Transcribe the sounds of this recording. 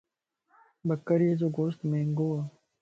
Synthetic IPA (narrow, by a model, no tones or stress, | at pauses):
bɐkːɐɾezoɡoːst̪mẽːŋɡoɐ